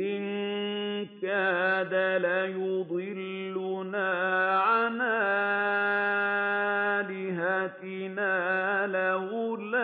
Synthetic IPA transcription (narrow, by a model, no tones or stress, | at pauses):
ʔɪn | kaːðalajʊd̪ˤɨlː | ʊnaːʕanaː | lɪɦat̪ɪ | naːlahʊla